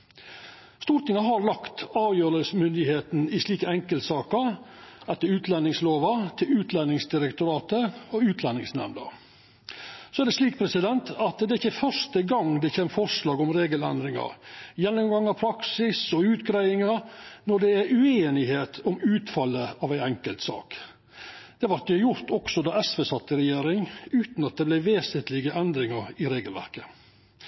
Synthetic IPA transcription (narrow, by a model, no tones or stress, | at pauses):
st̪uːɾt̪ɪŋɑɦɑɾlɑkt̪ɑːʋjøːɾəlsmʏnd̪ɪheːt̪n̩ɪʂliːkəɛŋkəlt̪sɑːkəɾɛt̪ːəɾʉːt̪lɛnɪŋsloːʋɑt̪ʰɪlʉːt̪lɛnːɪŋsd̪ɪɾəkt̪ʊɾɑːt̪əɔʉːt̪ʰlɛnːɪ̰ŋsnæ̰mnə̰ | sɔæɖ̪ɛsliːk̚pʰɾɛsɪd̪ɛnt̪ʰɑt̪d̪ɛæɪçːəfœʂt̪əɡɑŋd̪ɛçeːməfɔʂlɑːɡɔmɾeːɡəlɛ̰nd̪ɾɪŋɑ̰ɾjɛnːɔmɡɑŋɑʋpʰɾɑksɪsɔʉːt̪ɡɾæɪɪŋɑɾnɔɖ̪ɛæɾʉeːnɪheːt̪ʰɔmʉːt̪fɑlːəɑʋæɪæŋkəlt̪sɑ̰ːk | d̪̥ɛʋɑɾkəjʊɾt̪ɔksɔd̪ɑːʔɛsʋeːsɑt̪ːəɾɛjeːɾɪŋʉːt̪nɑt̪̚d̪ɛblæɪʋeːsənt̪lɪɡəʔɛnd̪ɾɪŋɑɾɪɾeːɡəlʋæ̰ɾkə